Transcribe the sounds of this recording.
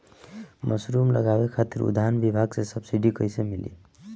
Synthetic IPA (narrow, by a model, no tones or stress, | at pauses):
mʔəsɾumlə̰ɡabekʰat̪iɾṵd̪aɦənbibʱaɡsesəbsiɖikəjsemilḭ